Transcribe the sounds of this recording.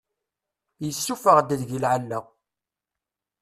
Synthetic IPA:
jəsːufəʁd̪əðʝilʕalːæ

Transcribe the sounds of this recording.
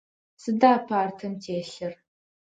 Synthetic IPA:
sɨdaːpʰaːrtʰɨmtʰeːɬɐr

